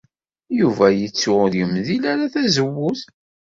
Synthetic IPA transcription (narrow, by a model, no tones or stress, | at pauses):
juvæjət͡sːʊðjəmðilæɾaθæzəwːʊθ